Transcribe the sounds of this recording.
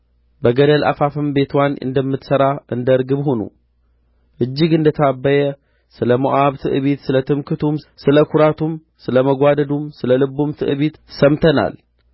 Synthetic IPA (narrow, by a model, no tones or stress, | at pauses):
bəɡəd̪ɐlʔa̰fafɨmbe̞t̪ʰwanɨ̰nd̪əmːɨt̪sɐɾaʔɨnd̪əɾɡɨβhonṵ | ʔɨd͡ʒːɪɡɨnd̪ət̪ʰabːəjɛ | sɨləmoʔaβt̪ʰɨ̰ʔɨβit̪sɨlət̪ʰɨmkʰɨt̪ʰumsɨləkʰuɾat̪ʰum | sɨləmɐɡʷad̪ɐd̪umsɨləlɨbːumt̪ʰɨ̰ʔɨβit̪sɐmt̪ʰɐna̰l